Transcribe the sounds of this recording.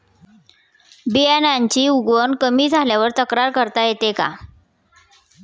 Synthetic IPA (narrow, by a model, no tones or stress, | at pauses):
bianaɲt͡ɕiːuɡʋənkəmiːd͡zʱaljaʋəɾt̪əkɾaɾkəɾt̪ajet̪eka̰